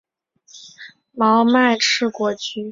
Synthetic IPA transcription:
mɑ˧˥ʊma˥˧ɪʈ͡ʂʰɻ̩˥˩kwɔ˧˥t͡ɕy˥

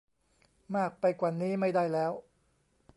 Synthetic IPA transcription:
maː˥˩k̚pa˧jkwaː˨˩niː˦˥ma˥˩jdaː˥˩jlɛː˦˥w

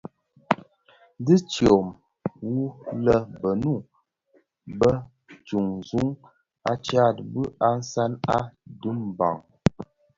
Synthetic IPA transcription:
di˦t͡ʃjo˨m | wu˦lə˦bə˨nu˦˨ | bə˦ | t͡ʃu˨ŋ˨zu˦ŋ | a˦t͡ʃa˦˨t̚bɨ˦ʔa˦n̩˦sa˦na˦du˦mba̰˨ŋ

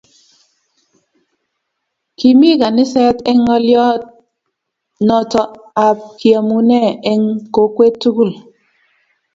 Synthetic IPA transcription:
ki˨mi˦ka˨nɪ˦sɛ˦tɛ˦ŋɔ˦ljɔ˦t̚ | nɔ˨tɔ˨a˨p̚kja˨mu˨nɛ˦˨e˦ŋko˨kwe˦tːu˦ɡu˦˨l

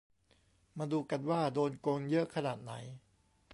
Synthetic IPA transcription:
maː˧duː˧ka˧nwaː˥˩doː˧nkoː˧njɤ˦˥ʔkʰːa˧naː˨˩t̪̚na̰˩˦j

